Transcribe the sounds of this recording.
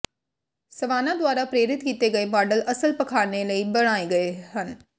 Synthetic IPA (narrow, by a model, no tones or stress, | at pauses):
sɐʋaːnad̪ʋaːɾapɾeːɾɪt̪kiːt̪eɡɐemaːɾɖəlʔɐsəlpɐkʰaːɽnelɐibɐɽ̃aːiɡɐeɦɐn